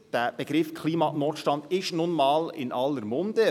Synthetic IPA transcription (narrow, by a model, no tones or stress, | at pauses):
d̥æːb̥eɡ̥ɾɪfkʰliːmɑnɔːtʃtɑnd̪ɪʃnʊnmɑːlɪ̰nʔɑlːəɾmʊnd̥̪ə